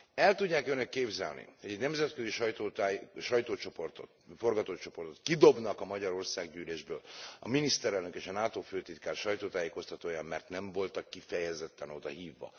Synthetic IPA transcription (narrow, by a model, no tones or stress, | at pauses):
ɛlt̪uɟːaːkønøkːeːbzɛ̰lnʔḭho̞ɟɛɟnɛmzɛt̪kø̞ziʃɒjt̪oʃɒjt̪oːt͡ʃoport̪o | fo̞rɡɒt̪oːt͡ʃo̞po̞rt̪o̞t̪kid̪o̞bnɒkɒmɒɟɒɾo̞rsaːɡɟyːleːʒbø̰ːlɒ̰minist̪ɛɾɛlnøkeːʃɒnaːt̪oːføːt̪it̪kaːrʃɒjt̪oːt̪aːjeːko̞st̪ɒt̪oːjamːɛrt̪nɛɱvo̞lt̪ɒkːifɛjɛzɛt̪ːɛno̞d̪ɒ̰ɦiːvːɒ̰